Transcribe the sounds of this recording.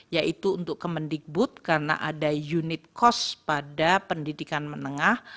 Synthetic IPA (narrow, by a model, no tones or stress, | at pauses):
jaʔit̪uːnt̪ʊkkəməndik̚bʊt̪̚karna̰ʔadajunɪt̪̚kɔspadapəndidikanmənəŋah